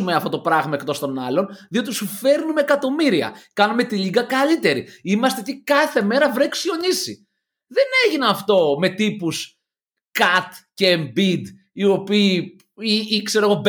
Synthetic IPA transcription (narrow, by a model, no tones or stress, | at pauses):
umeɐft̪o̞t̪o̞pɾɐɣmɐekt̪o̞st̪o̞nɐlo̞nðio̞t̪isufe̞ɾnume̞ːkɐt̪o̞miɾiɐ̰kɐnume̞t̪iʎiɡɐkɐlit̪e̞ɾḭimɐst̪et̪ikɐθe̞me̞ɾɐvɾeksio̞ɲisḭ | ðe̞ne̞ʝinɐɐft̪o̞me̞t̪ipus | kɐt̪ceːmbid̪ | io̞piː | iikse̞ɾoɣo̞b